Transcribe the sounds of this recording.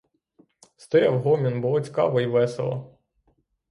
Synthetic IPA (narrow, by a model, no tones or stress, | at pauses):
st̪ɔjɑwɦɔmʲinbɔlɔt͡sʲkɑ̰ʋɔjʋɛsḛlˠɐ̰